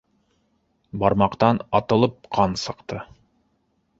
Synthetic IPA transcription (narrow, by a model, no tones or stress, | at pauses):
bɑɾmɑqt̪ɑnɑt̪ɤ̆lˠɤp̚qʰɑnsɤ̆qt̪ɤ